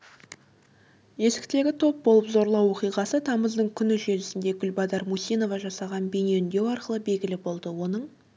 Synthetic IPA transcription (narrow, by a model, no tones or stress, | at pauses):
je̞sɪ̥kt̪e̞ɡʲɪt̪ʰo̞p̚bo̞lˠəpzo̞ɾlˠɑwo̞qijʁɑsət̪ʰɑməzd̪əɴkʲʰʏnɪʒe̞lɪsɪnd̪e̞ɡʲʏlbɑd̪ɑɾmusijno̞vɑʒɑsɑʁɑnbeneʏnd̪e̞wɑɾqəlˠəbe̞lɡʲɪlɪbo̞lˠd̪əwo̞nəɴ